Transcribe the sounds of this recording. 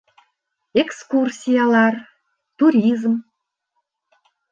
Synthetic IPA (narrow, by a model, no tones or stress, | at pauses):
ekskursʲijɑlɑr | t̪uɾʲizm